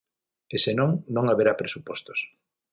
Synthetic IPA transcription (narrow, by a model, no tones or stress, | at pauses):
esenõŋnõŋaβeɾapɾesupɔst̪o̥s